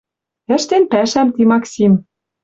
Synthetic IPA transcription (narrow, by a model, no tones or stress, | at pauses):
ɘ̆ʃt̪enpæʃæmt̪imɑksʲim